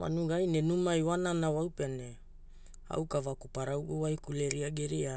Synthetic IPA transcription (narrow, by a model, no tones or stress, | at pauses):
wa̰nuɡajnenumajwananawawpene | a̰wkavakupaɾawʔuwajkuleɾiaɡeɾia